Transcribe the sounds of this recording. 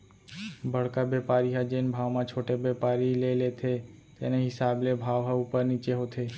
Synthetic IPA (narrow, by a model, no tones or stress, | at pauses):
bəɭkabepaɾiɦad͡ʒenbʱaʋmãt͡ʃʰoʈebepaɾilelet̪ʰe | t̪eneɦɪsablebʱaʋɦaupəɾnit͡ʃeɦot̪ʰe